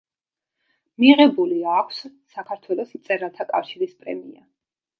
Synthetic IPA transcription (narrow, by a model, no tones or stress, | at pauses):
miʁɛbuliakʷʰsː | akʰaɾt̪ʰwɛlˠɔsmt̪sʼɛɾalˠt̪ʰakʼafʃiɾispʼɾɛ̰mḭa̰